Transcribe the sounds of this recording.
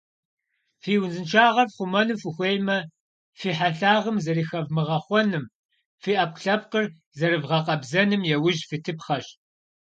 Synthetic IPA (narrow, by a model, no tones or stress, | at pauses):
fiːwnzɨnt͡ʃʰaːʁɐrχʷʊmɐnɨmfɨxʷeːjmɐ | fiːħaɬaːʁəmzɐɾiːxɐvmɨʁɐχʷɔnɨm | fiːʔɐp̚ɬɐp̚qər | zɐɾɨvʁɐqʼɐbzɐnɨmjɛwʊʒfɨtʰɨp̚χɐɕ